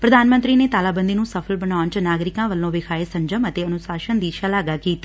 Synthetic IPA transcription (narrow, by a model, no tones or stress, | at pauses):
pɾəd̪aːnmə̃nt̪ɾiːneːt̪aːlaːbə̃nd̪iːnũːsəpʰəlbənaːʊnt͡ʃnaːɡɾɪkãːʋəlːõːʋɪkʰaːeːsə̃ɲd͡ʒəmət̪eːənʊsaːʃənd̪iːʃalaːɡaːkiːt̪ː